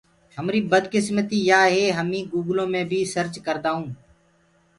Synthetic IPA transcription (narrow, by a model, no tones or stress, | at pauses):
ɦəmɾiːbəd̪kɪsmət̪iːjaːɦeːɦəmĩːɡuːɡlõːmẽːbʱiːsəɾt͡ʃkəɾd̪aːɦũː